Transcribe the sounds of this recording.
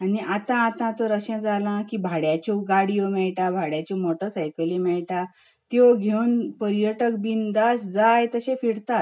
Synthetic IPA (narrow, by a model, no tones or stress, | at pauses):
aniat̪ãːt̪ãt̪ɔɾəɕə̃d͡zalãkiːbʱaɽjat͡ɕoɡaɽijomɛɭʈabʱaɽjat͡ɕɔmoʈəɾsajkəlĩmɛɭʈa | t̪joɡʱewnpəɾjəʈəkbind̪asd͡zajt̪əɕẽfiɽt̪at̪